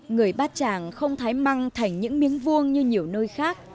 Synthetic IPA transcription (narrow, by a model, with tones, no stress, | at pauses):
ŋɨ˨˩əjɓaː˦˥t̚t͡ɕaː˧˩ŋxə˧wŋ͡mt̪ʰaː˨˦jma˧ŋt̪ʰa˨˩jŋ̟ɲɨ̰˧˥ŋmi˨˦ənvu˧ənɲɨ˧ɲi˨˩əwnoː˧jxaː˦˥k̚